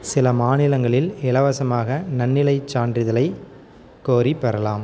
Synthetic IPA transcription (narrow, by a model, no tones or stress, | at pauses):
sɪlɐmaːnɪlɐŋɡɐɭɪlɪlɐʋɐsɐmaːɣɐnɐnːɪlɐɪt͡ʃːaːndrɪðɐlɐɪ | kːoːɾipːɛɾɐlaːm